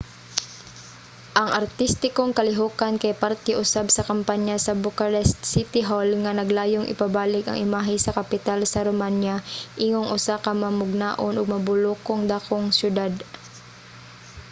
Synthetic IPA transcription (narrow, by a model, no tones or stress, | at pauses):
ʔɐŋʔɐɾt̪ist̪ɪkoŋkɐlɪɦokankɐjpaɾt̪ɛʔʊsabsɐkɐmpaɲjasɐbʊkɐɾɛst̪sit̪ɪɦolŋɐnɐɡlaːjoŋʔɪ̰pabaːlɪkɐ̰ŋʔɪmaːɦɪsɐkɐpɪt̪alsɐɾomanjaʔiŋoŋʔʊsakɐmɐmʊɡ̚naːʔonʔʊɡ̚mɐbʊlokoŋd̪aːkoŋsjʊd̪ad̪